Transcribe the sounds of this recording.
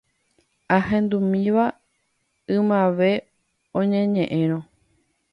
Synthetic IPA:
aɦẽ̞nd̪umĩʋa | ɨ̃mãʋe̞ | õɲẽɲẽ̞ʔẽɾ̃õ

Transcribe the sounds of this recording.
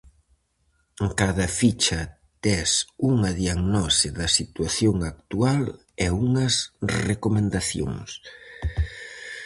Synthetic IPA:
kaðɐfit͡ʃɐ | t̪ɛsuŋɐðiaɣnɔsɪðɐsit̪waθjoŋak̚t̪ual | ɛuŋɐsrekomẽnd̪aθjo̰ŋs

